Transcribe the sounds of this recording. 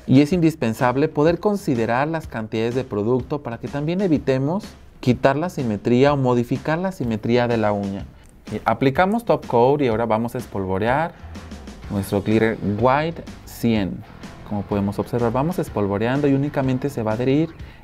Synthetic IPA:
ie̞sind̪ispe̞nsaβle̞po̞ðe̞ɾko̞nsiðe̞ɾaɾlaskant̪iðaðe̞zðe̞pɾo̞ðukt̪o̞paɾake̞t̪ambje̞ne̞βit̪e̞mo̞s | kit̪aɾlasime̞t̪ɾiao̞mo̞ð̞ifikaɾlasime̞t̪ɾiaðe̞lauɲa | ʔaplikamo̞st̪opkowd̪iao̞ɾaβamo̞saespo̞lβoɾjaɾ | nwe̞st̪ɾo̞kliɾḛɾɡwajd̪ | sjen | ko̞mopo̞ðe̞mo̞so̞βse̞ɾβaɾβamo̞se̞spo̞lβo̞ɾjand̪oiunikamẽ̞nt̪e̞se̞βaðeɾiɾ

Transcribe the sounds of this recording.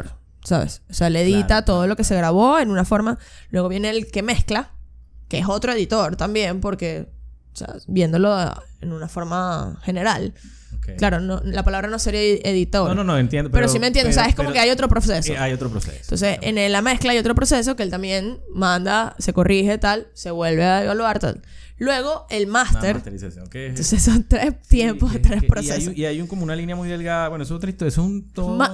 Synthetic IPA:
ɾ | saβḛsoseaeleðit̪at̪o̞ð̞o̞lo̞ke̞se̞ɣɾaβo̞e̞nunafo̞ɾmalwe̞ɣ̞oβje̞ne̞lke̞me̞sklake̞eso̞t̪ɾo̞eðit̪o̞ɾt̪ambje̞mpo̞ɾke̞ | osḛbje̞nd̪o̞lo̞ḛnunafo̞ɾmaxe̞ne̞ɾal | eklaɾonolapalaβɾano̞se̞ɾeðit̪o̞ɾononoent̪jend̪oppeɾos̬imẽnjend̪osaeskomokeajo̞t̪ɾo̞pɾo̞se̞soajot̪ɾopɾosḛent̪onsesḛnelamesklaajo̞t̪ɾo̞pɾo̞se̞s̬o̞keelt̪ambje̞nmãnd̪ase̞ko̞rixe̞t̪alse̞βwe̞lβe̞aeβalwaɾt̪a̰l | lwe̞ɣ̞o̞elmast̪eɾnt̪onsesont̪ɾest̪jempoɦðet̪ɾespɾosesoiajuŋkomounalinjamujðelɡaðaβwenoesot̪ɾt̪oesesunt̪oma

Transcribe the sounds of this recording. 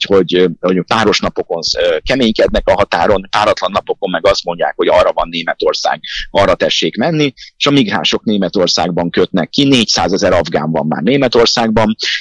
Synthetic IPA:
ho̞ɟoup̪aːɾo̞ʃnɒpo̞ko̞nkɛmeːɲkɛd̪nɛkɒɦɒt̪a̰ːɾo̞nt̪aːɾɒt̪lɒnːɒpo̞komːɛɡɒst̪mo̞ɲɟa̰ːkho̞ɟɒːrːɒvɒnːeːmɛt̪o̞rsa̰ːɡɒrːɒt̪ɛʃːeːkmɛnːieːʃɒmiɡra̰ːʃo̞kneːmɛt̪o̞rsa̰ːɡ̚bɒŋkø̞t̪nɛkːineːcsaːzɛzɛɾɒvɡa̰ːɱvɒ̰mːa̰ːrneːmɛt̪o̞rsaːɡ̚bɒm

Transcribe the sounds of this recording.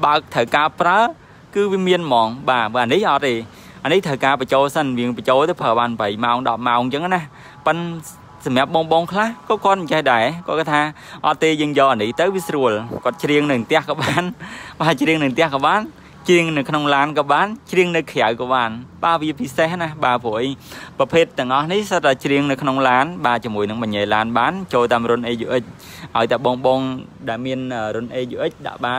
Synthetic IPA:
ɓaək̚t̪ʰəwkaːəpraə | kɨːʋiəmiənmɑːŋɓaːɓaanihʔɑt̪̚ːeː | ʔanɨht̪ʰəwkaːpət͡ɕoːlsənʋiəŋpət͡ɕoːlt̪əpʰəːɓaːnpəjmaɔŋɗɑp̚maɔŋt͡ɕəŋanah | pɨn | sɑmĕəp̚ɓoːŋɓoːŋkʰlahkɔːkʰŏət̪̚əɲt͡ɕəhɗaɛkoətkat̪ʰaː | ʔɑt̪ːeːjəːŋjɑːʔanɨht̪ɨwʋiəsruəlkŏət̪̚t͡ɕriəŋnɨnt̪ɛ̆əhkɑːɓaːnɓaːt͡ɕriəŋnɨwnt̪ɛ̆əhkɑːɓaːn | t͡ɕriəŋnɨwkʰnoŋlaːnkɑːɓaːnt͡ɕriəŋnɨwkʰjawkɑːɓaːnɓaːʋiəpisehnahɓaːpʰuəʔəjprɑpʰeːt̪ːɛ̆əŋʔɑhnihsəat͡ɕriəŋnɨwkʰnoŋlaːnɓaːt͡ɕiəmuəjnɨŋɓɑɲːeːlaːnɓaːnt͡ɕoːlt̪aːmrʊənʔeːjuʔəc̚ | ʔaɔjt̪ɛəɓoŋɓoŋɗaɛlmiənʔəːrʊ̆nʔeːjuʔəc̚ɗa̰ʔɓaːn

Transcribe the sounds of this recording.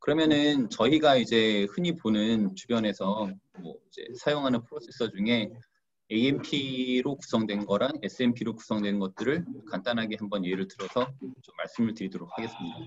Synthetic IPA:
kɯɾʌmjʌnɯnt͡ɕʌiɡaid͡ʑe̞hɯɲiponɯnt͡ɕubjʌne̞sʰʌmwʌid͡ʑe̞̰sʰajoŋɦanɯnpʰɯɾosʰe̞sʰʌd͡ʑuŋe̞ | eiempʰiɾoku̥sʰʌŋdwe̞nɡʌɾane̞s͈ʰɯe̞mpʰiɾoku̥sʰʌŋdwe̞nɡʌt̚t͈ɯɾɯɭkandanɦaɡiɦanbʌnieɾɯɭtɯɾʌsʰʌt͡ɕomːaɭs͈ɯmɯɭtɯɾidoɾok̚hʰaɡe̞s͈ɯmɲida

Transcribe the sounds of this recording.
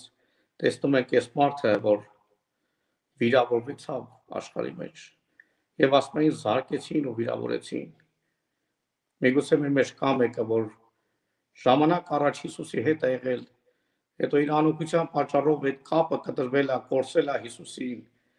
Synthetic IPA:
t̪ɛsnumɛŋkʰɛsmɑɾt̪ʰəvɔɾ | viɾɑvɔɾvɛt͡sʰɑv | ɑ̰ʃχɑ̰ɾḭmɛ̰t͡ʃʰ | jɛvɑsmɑjinzɑɾkɛt͡sʰinuviɾɑ̰vɔ̰ɾɛ̰t͡sʰḭn | miɡut͡sʰɛmɛɾmɛt͡ʃkɑmɛkəvɔɾ | ʒ̥ɑmɑnɑkɑrɑt͡ʃʰhisusiɦɛt̪ɛjɛʁɛl | hɛ̰t̪ɔiɾɑnɔkʰut͡sʰjɑnpɑt͡ʃːɑrɔvɛt̪̚kʰɑpəkət̪əɾvɛlɑkɔɾt͡sɛlɑɦisusin

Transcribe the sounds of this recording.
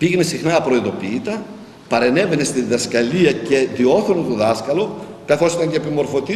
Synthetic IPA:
piɣenesixnɐːpɾo̞iðo̞piːt̪ɐ | pɐɾe̞ne̞ve̞ne̞st̪iðiðɐskɐliɐce̞ðio̞θɾonot̪oðɐskɐlo̞ | kɐθo̞sit̪ɐɲceːpimo̞ɾfo̞t̪i

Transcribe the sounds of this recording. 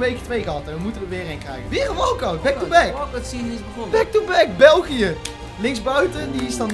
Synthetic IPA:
ʋejkə̥tʋejɣɑtəənmutənʋəʋɪːrejŋkrɛjχənʋɪːrɔfowkɑwbɛktubɛksi | bɛk̚tubɛkbɛlˠχijə | lɪŋzbœɥtəndiɪsdɑn

